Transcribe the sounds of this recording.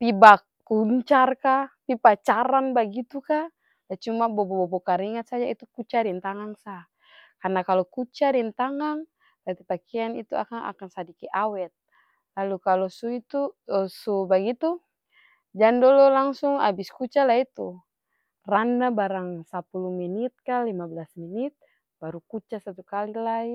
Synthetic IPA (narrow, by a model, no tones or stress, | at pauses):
pibakː | uɲt͡ʃarkapipat͡ʃaɾanbaɡit̪uka | dat͡ʃumabɔbɔbɔbɔkaɾiŋat̪̚sad͡ʒait̪ukut͡ʃaɾɛnt̪aŋaŋsa | karnakalɔkut͡ʃadɛnt̪aŋaŋ | tat̪ipakɛanḭt̪ua̰kaŋa̰kansadikɛʔawɛt̪̚ | lalukalɔsuit̪usubaɡit̪u | d͡ʒandɔlɔlaŋsuŋa̰biskut͡ʃalait̪u | randabaɾaŋsapuluminit̪̚kalimablasminit̪̚ | baɾukut͡ʃasat̪ukalilai